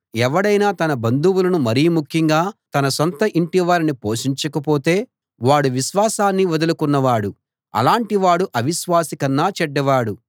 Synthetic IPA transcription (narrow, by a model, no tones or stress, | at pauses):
ɛʋɐɽɐjnaːt̪ɐnɐbɐnd̪uwulɐnumɐɾiːmukʰjiŋɡaːt̪ɐnɐsɐnt̪ɐʔiɳʈiʋaːɾinipoːʂiɲt͡ʃɐkɐpo̞ːt̪e̞ː | ʋaːɽuʋiʃʋaːsaːnːiʋɐd̪ɐlukunːɐʋaːɽu | ɐ̰laːɳʈiʋaːɽuʔɐʋiʃʋaːsikɐnːaːt͡ʃɛɖːɐʋaːɽu